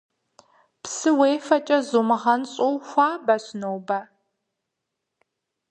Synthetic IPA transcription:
psɨweːfɐt͡ʃʼɐzumɨʁɐnɕʼowxʷaːbɐɕnowbɐ

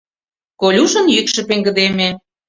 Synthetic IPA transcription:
kolʲuʒə̆njykʃĕpeŋɡə̆d̪eme

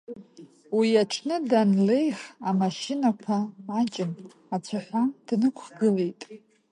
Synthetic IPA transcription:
wiaʈ͡ʂʰnɨdanle̞jχamaʃinakʷʰaat͡ʃʼɪn | at͡ɕʷʰaħʷamd̥nɨkʷʰχɡɨle̞jtʼ

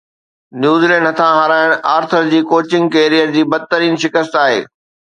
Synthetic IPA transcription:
njuːzilɛ̃ːɳɖɦɐt̪ʰãɦaɾaːɪɽ̃aːɾt̪ʰəɾd͡ʑiːkoːt͡ɕɪ̃ŋɡkeːɾijəɾd͡ʑiːbɐd̪̚t̪əɾiːnʃɪkəst̪aːɦḛː

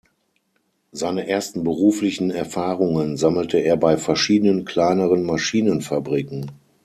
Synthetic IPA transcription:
zaɪnəʔeːɐstn̩bəʁuːflɪçn̩ɛɐfaːʁʊŋənzaml̩təeːɐbaɪfɛɐʃiːdənənkʰl̥aɪnəʁənmaʃiːnənfabʁiːkŋ̩

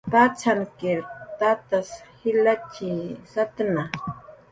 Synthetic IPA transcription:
pat͡sʰankɪɾt̪at̪ashɪlat͡ʃisat̪na

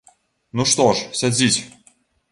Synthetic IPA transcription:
nuʂt̪oʂsʲad͡zʲitʲ

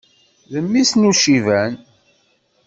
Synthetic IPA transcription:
ðəmːisnuʃivæn

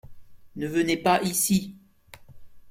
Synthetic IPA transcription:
nəvənepaʔisi

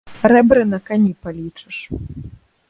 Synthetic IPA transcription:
ɾɛbɾɨnɐkanʲipalʲit͡ʂɨ̥ʂ

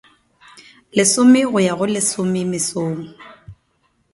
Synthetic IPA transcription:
lɪsʊmɪɣʊjaɣʊlɪsʊmɪmɪsoːŋ̩

